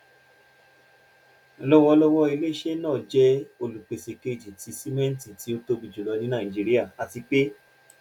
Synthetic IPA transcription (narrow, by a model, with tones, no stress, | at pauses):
lɔ˦wɔ˧lɔ˦wɔ˦i˧le˦ʃe˦nãː˦˨d͡ʒɛ˦o˧lu˨k͡pe˧se˧ke˧˨d͡ʒi˨ti˧˦si˦mɛ̃˦n̩˦ti˨ti˨˦o˦to˦bi˧d͡ʒu˨lɔ˧nĩ˦nã˦˨d͡ʒi˧ɾi˦a˦˨a˧ti˧k͡pe˦